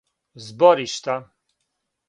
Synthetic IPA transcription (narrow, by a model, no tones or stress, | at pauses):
zbɔɾiʃt̪a